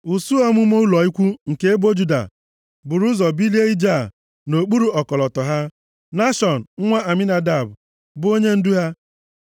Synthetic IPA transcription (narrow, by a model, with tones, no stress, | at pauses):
u˨su˦ɔ˦mʊ˦mo˦u˦lɔ˨i˦kʷu˦ŋ̩˨ke˦e˦bo˦d͡ʒu˦da̰˨ | bʊ˨ɾu˦zɔ˨bi˦li˦e˦i˦d͡ʒa˦˨ | no˨k͡pu˦ɾu˨ɔ˨kɔ˨lɔ˨tɔ˨ɦa˦ | na˦ʃɔ˨n̩˨ŋ̩˦ŋʷa˦a˨mi˦na˦da˨bʊ˨ | bʊ˨o˦ɲe˦n̩˦du˦ɦa˦